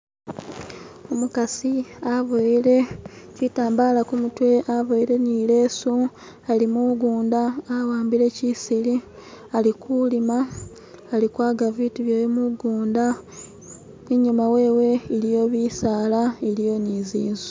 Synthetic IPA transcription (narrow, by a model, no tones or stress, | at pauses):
omukasiavoɾecitaːmbaːlakumutwe̞ʔavoiɾe̞niːle̞ːsu | alimuɡuːndaːwaːmbiɾe̞cisili | alikulimaː | likwaːɡaviːtiβjeːjemuɡuːnda | niɲumawe̞ːwe̞ːlijo̞βiːsaːlaeɾijo̞niːziːnzu̥